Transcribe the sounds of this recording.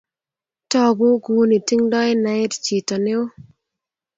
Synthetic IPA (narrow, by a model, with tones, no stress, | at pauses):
tɔ˦ɡʊ˦ɡu˨˦ni˨ti˦ŋdɔ˦ɪ˦na˨˦ɪ˦tt͡ʃi˨tɔ˨nɪ˦ʊ˦